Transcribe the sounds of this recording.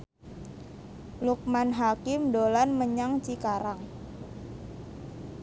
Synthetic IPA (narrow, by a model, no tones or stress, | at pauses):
luk̚manɦakɪmdolanməɲaŋt͡ʃikaɾaŋ